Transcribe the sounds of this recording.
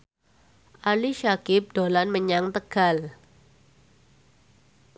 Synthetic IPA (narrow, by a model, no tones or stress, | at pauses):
ʔaliʃakɪp̚d̥olanməɲaŋt̪əɡ̥al